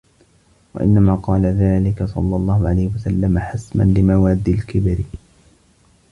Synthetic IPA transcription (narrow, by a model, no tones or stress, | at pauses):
wa̰ʔɪ̰nːamaːqɑːlaðaːlɪkasˤɑ̰lːɑlˤːɑːhʊʕalajhɪwasalːamaħasma̰nlɪmawaːd̪ːilkɪbɾ